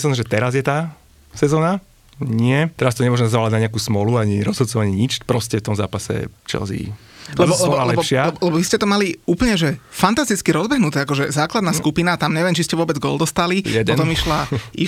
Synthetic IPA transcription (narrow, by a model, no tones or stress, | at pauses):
samʒɛt̪ɛɾazjɛt̪aː | sɛzɔːna | ɲɪɛt̪ɛɾast̪ɔɲɛmʊɔʒɛmɛzaʋaːlaɟnaɲɛakuːsmɔluaɲiɾɔzɦɔd̪t͡sɔʋaɲɪɛɲit͡ʃpɾɔscɛft̪ɔmza̰ːpasɛ̰t͡ʃɛ̰lzḭ | lɛbɔɛɔlalɛbɔʃɪaɛbɔlɛbɔʋiscɛt̪ɔmaliuːpl̩ɲɛʒɛfant̪ast̪it͡skiɾɔzbɛɦnut̪ɛːakɔʒɛzaːklad̪naːskupinat̪amɲɛʋɪɛmt͡ʃiscɛʋʊɔbɛd͡zɡɔ̰ːld̪ɔst̪alijɛdɔt̪ɔmiʃlai